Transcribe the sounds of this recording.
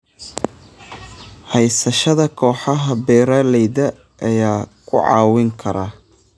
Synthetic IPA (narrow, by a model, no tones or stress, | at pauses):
hɛjsɐʃɐðɐkʰɔːħɑɦɐbɛːɾɐlɛjdɐ | ʔːjaːkʰʊʕɑ̰ːwɪŋkʰɐɾa